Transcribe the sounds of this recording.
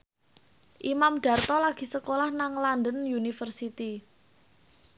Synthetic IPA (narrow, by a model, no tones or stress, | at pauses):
ʔimamɖ̪̥a̤rt̪ɔlaɡ̥i̤səkolahnaŋland̪ənjunifərsit̪i